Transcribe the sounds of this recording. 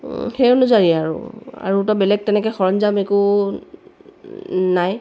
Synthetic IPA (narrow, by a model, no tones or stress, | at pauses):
xejunʊzaɹiaɹṵa̰ɹutɔbɛlɛɡ̚tɛnɛkɔxɔɹɔnzamekʊ | naj